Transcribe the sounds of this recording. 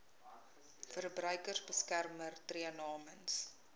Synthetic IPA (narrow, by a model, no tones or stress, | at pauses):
fərbrœɥkərzbəskærmərtriənɑːməns